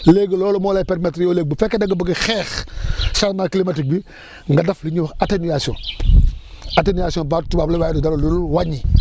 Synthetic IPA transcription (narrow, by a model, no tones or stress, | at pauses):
leɡloːlomolajpeɾmetɾijoleːɡ̚bifekedaŋɡabəɡixɛːxsaɾnaklimatik̚bi | ŋɡadafliɲuxatenujasiõ̰n | atenujasiõbatubablewajdudaɾoluɾuwaɲi